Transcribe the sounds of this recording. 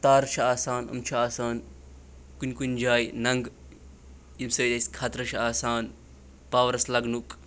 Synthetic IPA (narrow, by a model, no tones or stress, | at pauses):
t̪aːɾt͡ʃʰɐaːsaːnɐ̰mt͡ʃʰiaːsaːn | kunʲkunʲd͡ʒaːjnɐŋɡ | jimsɐːlʲɐsʲkʰaːt̪ɾɐʃʰɐaːsaːn | paːʋɐɾɐslɐɡnuk